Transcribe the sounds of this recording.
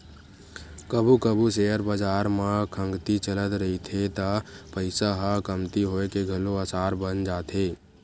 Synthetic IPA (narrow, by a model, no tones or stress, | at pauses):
kəbʱukəbʱus̬ejəɾbəd͡ʒaːɾmakʰə̃ŋɡt̪it͡ʃələt̪ɾəɦit̪ʰet̪apəɪsaɦakəmt̪iɦoekeɡʱəloasaːɾbənd͡ʒaːt̪ʰeː